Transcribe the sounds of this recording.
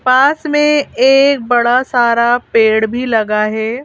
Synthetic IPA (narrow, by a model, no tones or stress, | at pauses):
paːsmẽeːk̚bɐɽasaːɾapeːɽbʱilɐɡaɦɛː